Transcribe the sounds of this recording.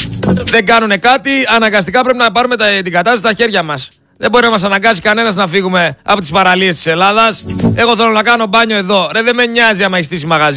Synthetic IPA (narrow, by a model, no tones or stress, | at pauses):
ðe̞ŋɡɐnune̞kɐt̪iɐnɐŋɡɐst̪ikɐpɾe̞pinɐpɐɾume̞t̪d̪iɡɐt̪ɐsist̪ɐçe̞ɾʝɐmɐs | ðebo̞ɾinɐmɐs̬ɐnɐŋɡɐsi̥kɐne̞nɐznɐfiɣume̞ɐpo̞t̪ispɐɾɐlie̞st̪i̥se̞lɐðɐse̞ɣo̞θelo̞nɐkɐno̞bɐɲo̞e̞ðo̞ɾeðeme̞ɲːɐziɐmɐist̪isimɐɣɐz